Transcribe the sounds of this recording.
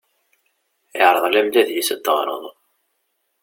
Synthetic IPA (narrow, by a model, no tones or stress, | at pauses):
ɪʕɾˤəðˤlæmlæðjisət̪ːəʁɾˤə̰ðˤ